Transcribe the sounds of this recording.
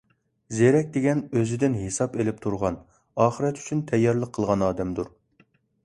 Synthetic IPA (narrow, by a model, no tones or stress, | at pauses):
zeɾɛk̚ʲd̪eɡʲɛnøzɪd̪ɪnɦesɑpelɪp̚t̪ʰuɾʁɑn | ɑːχəɾɛt̪y̥t͡ʃʰynt̪ʰɛjːɑɾlˠəqʰːəlˠʁɑnɑːd̪ɛmd̪uɾ